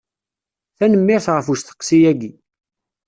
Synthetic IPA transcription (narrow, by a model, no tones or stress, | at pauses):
θænəmːɪɾθʁəfust̪ə̥qːsijæɡi